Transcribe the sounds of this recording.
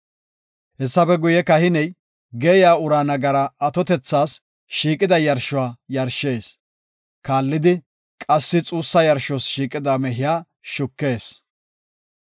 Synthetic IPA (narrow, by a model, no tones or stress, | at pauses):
hɛsːɐpɛɡʊjɛkɐhɪnɛj | ɡeːjaːʊɾaːnɐɡɐɾɐːt̪ɔt̪ɛt͡sːaːs | ʃiːkʼɪd̪ɐjɐɾʃʊwaːjɐɾʃe̞ːs | kaːlːɪd̪ɪ | kʼɐsːɪt͡sʼuːsːɐjɐɾʃɔsʃiːkʼɪd̪amɛɦɪjaː | ʃʊkːe̞ːs